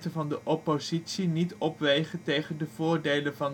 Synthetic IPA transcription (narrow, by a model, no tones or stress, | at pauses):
təvɑndəʔɔpozitsinitɔpʋejχəntejχəndəvʊːɹdejlənvɑn